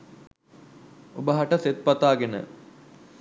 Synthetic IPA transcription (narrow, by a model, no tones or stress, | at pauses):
obəɦaʈəset̪̚pɐt̪aːɡenə̰